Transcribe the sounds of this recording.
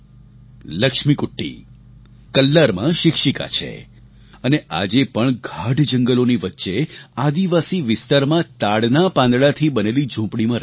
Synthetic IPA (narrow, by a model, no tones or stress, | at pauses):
ləkʃmikʊʈːḭ | kəlːaɾmã̰ʃɪkʃika̰t͡ʃʰḛ | əneʔa̰d͡ʒepəɳɡʱaɖd͡ʒəŋɡəloniʋətːʃead̪iʋasiʋɪst̪aɾmãt̪aɽnapãnd̪ɽat̪ʰibənelid͡ʒũpɽimãɾ